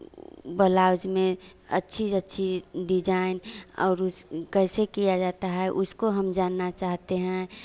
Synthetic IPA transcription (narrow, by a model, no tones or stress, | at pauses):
bəlaːʊd͡ʒmẽɐ̰tːʃʰiətːʃʰiɖid͡ʒaːɪnɔ̰ːɾʊskɛːsekijad͡ʒaːt̪aɦɛʔʊskoɦəmd͡ʒaːnːat͡ʃaːɦt̪eɦɛ̃